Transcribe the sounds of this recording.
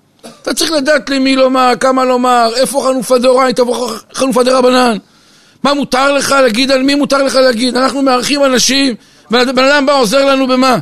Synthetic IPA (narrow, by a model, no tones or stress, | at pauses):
at̪at͡saʁiχlad̪aːt̪limilo̞maʁkamalo̞maʁe̞fo̞χanufad̪eoʁajt̪avoχanufad̪eʁabanan | mamut̪aʁle̞χaleaɡid̪anmimutaʁleχaleaɡid̪anaχnumeaʁχimanaʃim | bebe̞nad̪ambaoze̞ʁlanube̞ma